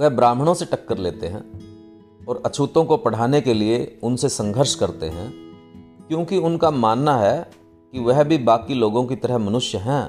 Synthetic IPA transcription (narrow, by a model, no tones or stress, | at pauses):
ʋɛɦbɾaːm̤ɽ̃õseʈɐkːəɾleːt̪eɦɛ̰̃ː | ɔːɾɐt͡ʃʰuːt̪õkopɐɽ̤aːnekelieʊnsesɐ̃ŋɡʱəɾʃkɐɾt̪ḛɦɛ̃ː | kjõːkiʊnkamaːnːaɦɛ | kiʋɛɦbʱibaːkiloːɡõkit̪ɐɾəɦmɐnʊʃjəɦɛ̃ː